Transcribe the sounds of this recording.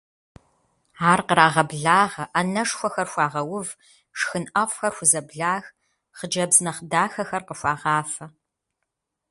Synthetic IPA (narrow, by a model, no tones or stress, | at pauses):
aːrqəɾaːʁɐbɮaːʁɐʔɐnɐʂxʷɔxɐrxʷɑːʁɐwʊv | ʂxɨnʔɐfʷxɐrxʷʊzɐbɮaːx | χəd͡ʒɐbznɐχdaːxɐxɐrqəʃʷɑːʁɑːfɐ